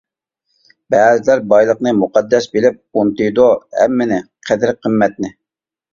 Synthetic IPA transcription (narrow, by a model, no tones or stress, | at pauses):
bɛːzɪlæɾbɑjlˠəqnɨmuqɑd̪ːɛsbelɪp̚ont̪ɨjd̪ohɛ̰mːɪnɪqʰæd̪ɪɾqʰəmːɛt̪̚nɪ